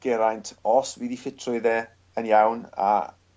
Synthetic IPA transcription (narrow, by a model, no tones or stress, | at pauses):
ɡ̥ɛɾajntʰɔswiːðifɪtʰrʊɨðɛː | ənjawna̰